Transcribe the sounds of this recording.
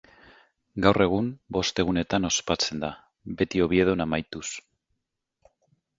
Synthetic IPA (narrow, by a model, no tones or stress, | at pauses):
ɡawre̞ɣ̞umbo̞st̪e̞ɣ̞une̞t̪ano̞spat͡se̞nd̪a | be̞t̪io̞β̞ie̞ð̞onamajt̪us